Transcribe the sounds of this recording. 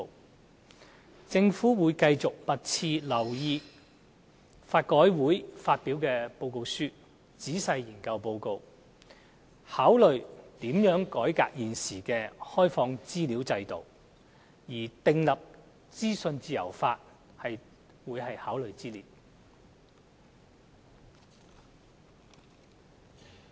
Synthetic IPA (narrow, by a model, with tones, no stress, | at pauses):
t͡sɪ˧ŋfuː˨˥wuː˨˧jkɐ˧jt͡sʊ˨k̚pɐ˨t̚t͡sʰiː˧lɐ˨˩wjiː˧ | faː˧t̚kɔː˨˥jwuː˨˥jfaː˧t̚pi˨˥wkɛː˧po˧wko˧wsyː˥ | t͡siː˨˥sɐ˧jjiː˨˩nkɐ˧wpo˧wko˧w | haː˨˥wlɵ˨ɥt̪iː˨˥mjœː˨˥ŋkɔː˨˥jka̰ː˧k̚jiː˨nsiː˨˩kɛː˧hɔː˥jfɔː˧ŋt͡siː˥liː˨˥wt͡sɐ˧jt̪o˨˩w | jiː˨˩t̪ɪ˨˧ŋlɐ˨p̚ | t͡siː˥sɵ˧nt͡siː˧jɐ̰˨˩wfaː˧t̚ | hɐ˨j | wuː˨˧jhɐ˨jhaː˨˥wlɵ˨ɥt͡siː˥liː˨˩t̚